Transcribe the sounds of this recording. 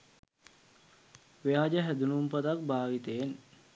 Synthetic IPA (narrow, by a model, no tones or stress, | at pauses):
ʋejaːd͡ʒəɦæd̪unumpət̪ak̚baːʋit̪een